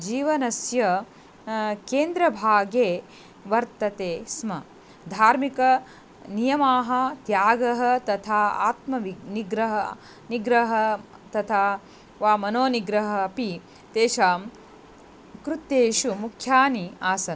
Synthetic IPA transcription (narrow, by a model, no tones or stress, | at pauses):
d͡ʒiːʋɐnɐsjɐ | keːnd̪ɾɐbʱaːɡeː | ʋɐɾt̪ɐt̪eːsmɐ | d̪ʱaːɾmikɐ | nijɐmaːɦɐt̪jaːɡɐɦɐt̪ɐt̪ʰaːa̰ːt̪mɐʋiniɡɾɐɦɐ | niɡɾɐɦɐ | t̪ɐt̪ʰaː | ʋaːmɐnoːniɡɾɐɦɐːpi | t̪eːʃaːm | kɾut̪ːeːʃumukʰjaːniaːsɐn